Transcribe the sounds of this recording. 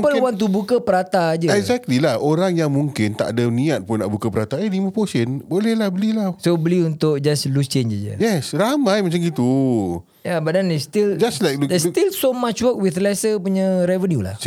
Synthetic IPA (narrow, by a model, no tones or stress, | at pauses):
pəlwant̪̬ubukəpəɾat̪ad͡ʒəɛkzɛk̚t̪lilahoɾaŋjaŋmũŋkɪnt̪a̰ʔdanĩat̪̚pʊna̰ʔbukapəɾat̪aəlimə̃posənbolɛhlahbəlilasobəliunt̪ʊʔd͡ʒaslust͡ʃeɲd͡ʒad͡ʒə̰jɛsɾamãjmat͡ʃaŋɡit̪u | jabadandɛst̪ild͡ʒaslajk̚dɛst̪ilsomat͡ʃwək̚wiθlɛsəpuɲə̃ɾɛvənjula̰h